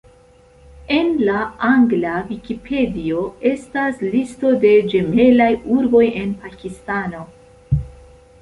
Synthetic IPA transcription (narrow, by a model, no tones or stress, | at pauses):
e̞nlaaŋɡlavikipʰe̞dio̞e̞staslisto̞de̞d͡ʒe̞me̞lajuɾbo̞je̞npakistano̞